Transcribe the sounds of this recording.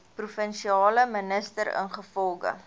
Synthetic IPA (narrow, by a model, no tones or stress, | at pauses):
prufənʃiɑːləmənəstəɾə̰nχəfɔlˠɡə̰